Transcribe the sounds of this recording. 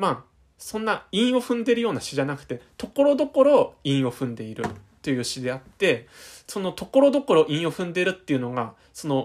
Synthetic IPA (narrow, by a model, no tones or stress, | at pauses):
maː | sõ̞nːaĩɰ̃o̞ɸɯ̟̃nd̪e̞ɾɯ̟jo̞ːnaɕiʑanakɯ̟̥t̪e̞t̪o̞ko̞ɾo̞d̪o̞ko̞ɾo̞ĩɰ̃o̞ɸɯ̟̃nd̪e̞iɾɯ̟t̪ːo̞jɯ̟ɕid̪e̞at̪ːe̞so̞no̞t̪o̞ko̞ɾo̞d̪o̞ko̞ɾo̞ʔĩɰ̃o̞ɸɯ̟̃nd̪e̞ɾɯ̟t̪ːe̞jɯ̟no̞ɡa | so̞no̞